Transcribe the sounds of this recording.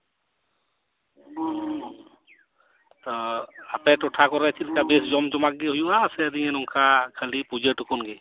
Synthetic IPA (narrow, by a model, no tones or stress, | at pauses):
t̪ɔapɛʈɔʈʰakɔɾɛt͡ʃʰilkabesd͡ʒɔmd͡ʒɔmak̚ɡeɦujuasɛd̪iɛnunkʰakʰəlipud͡ʒeʈukɔnɡe